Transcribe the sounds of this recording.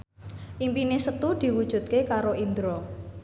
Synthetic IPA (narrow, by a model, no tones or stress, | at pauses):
ʔimpinesət̪ud̪̥i̤wud̥ʒ̥ṳt̪̚kekaɾoind̪ɾɔ